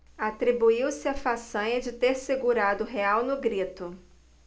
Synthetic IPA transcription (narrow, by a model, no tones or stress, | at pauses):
at̪ɾibuiwsɪafasɐ̃ɲɐd͡ʒɪt̪eɾseɡuɾad̪ʊɦeawnʊɡɾit̪ʊ